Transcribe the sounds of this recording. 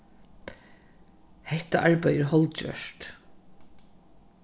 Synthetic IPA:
hɛht̪aʔaɹpajəɹɦɔlt̪d͡ʒœ̰ʂt̪

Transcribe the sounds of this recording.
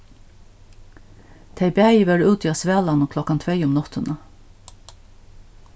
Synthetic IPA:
t̪ʰæɪbæjəʋœɹʉːt̪ʰiːɑsʋæːlɑnʊkʰlɔkɑnt̪ʰɾeɪʊmnɔt̪ənʔɑ

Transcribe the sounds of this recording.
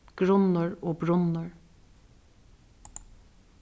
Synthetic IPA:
ɡ̥ɹʊnəɹoːbɹʊnəɹ

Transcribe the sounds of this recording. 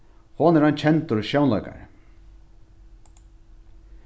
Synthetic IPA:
hɔːnɛɾant͡ɕʰɛnt̪ʊɾʃjownla̰jka̰ɾ

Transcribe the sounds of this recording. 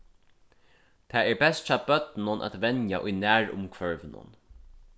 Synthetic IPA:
t̪ʰɛːɛɹbɛst̪t͡ʃɑːbœt̪nʊnʔa̰t̪ʋɛnjaʔʊjnæːɹʊ̰mkʰvœɹvnʊ̰n

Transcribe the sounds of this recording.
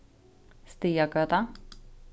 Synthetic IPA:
st̪iːaɡøːt̪a

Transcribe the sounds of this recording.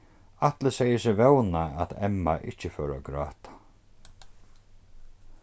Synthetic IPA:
at̪ləsɛjɪsɪvɛwnaat̪ɛ̰mːa̰ʔɪ̰ht͡ɕɪfœːɾa̰ɡɾa̰ːt̪ʰḁ

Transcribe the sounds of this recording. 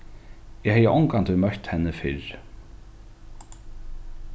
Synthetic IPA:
jɛhɛːjəʔɔŋkant̪ʰʏmœr̥t̪hɛnːəfɪɾ

